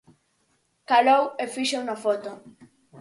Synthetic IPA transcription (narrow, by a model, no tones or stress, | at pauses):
kalowefiʃownafot̪o